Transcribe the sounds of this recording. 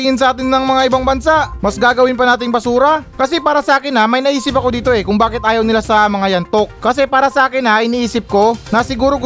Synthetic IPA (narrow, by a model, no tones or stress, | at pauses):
ɪŋɪnsɐʔaːt̪ɪnːɐŋmɐŋaʔɪbaŋbɐnsaʔmɐsɡaːɡɐwɪnpɐnaːt̪ɪŋpɐsuːɾɐkɐsɛpaːɾɐsɐʔaːkɪnɐmɐjnɐʔiːsɪpɐko̞d̪iːt̪o̞ʔɛkʊŋbaːkɪt̪ʔaːjɐwnɪlasɐmɐŋajɐnt̪o̞k̚kɐsɛpaːɾɐsɐʔaːkɪnɐʔɪniːʔiːsɪp̚ko̞nɐsɪɡuːɾoɡ